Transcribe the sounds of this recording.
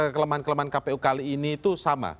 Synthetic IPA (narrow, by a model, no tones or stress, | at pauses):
kələmaankələmaɦankapeukaliːnit̪usama̰